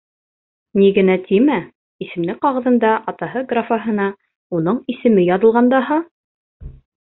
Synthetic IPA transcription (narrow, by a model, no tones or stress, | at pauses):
niɡɘ̆næt̪ʰimæ | isɘ̆mnd̪ɘqɑʁɤ̆ðɤ̆nd̪ɑʔɑt̪ɑɦɤɡrafaɦɤ̆nɑ | unɤɴisɘ̆mɘjɑðɤ̆lˠʁɑnd̪ɑɦɑ